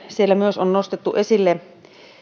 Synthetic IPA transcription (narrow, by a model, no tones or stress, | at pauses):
sielːæmyøsonnost̪et̪ːuʔesilːe